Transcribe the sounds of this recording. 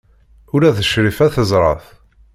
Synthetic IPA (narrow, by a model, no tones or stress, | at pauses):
ʊɾæθəʃɾifæθəzˤɾˤɑ̰θ